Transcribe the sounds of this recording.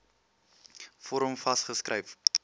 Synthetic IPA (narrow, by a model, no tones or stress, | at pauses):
fɔɾəmfɐsχəskrəjf